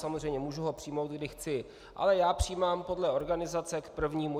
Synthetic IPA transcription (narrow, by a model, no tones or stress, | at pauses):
samozrɛjmɲɛmuːʒuɦo̞pr̝̥ijmo̞wt̪̚ɡdɪxt͡sɪ | ʔa̰lɛjaːpr̝̥iːmaːmpo̞dlɛo̞ɾɡanɪzat͡sɛkpr̩vɲiːmu